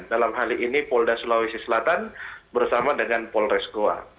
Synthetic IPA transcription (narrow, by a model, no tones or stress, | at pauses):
dalamɦaliʔinipɔldasulawisisəlat̪anbərsamadəŋanpɔlrɛskoa̰